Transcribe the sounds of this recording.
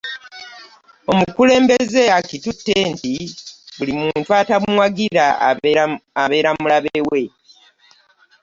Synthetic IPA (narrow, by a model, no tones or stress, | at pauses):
o̞mukule̞ːmbe̞ze̞akitutːe̞ntiβulimuːntuatamwaɡiɾa | aβe̞ːɾamulaβewe̞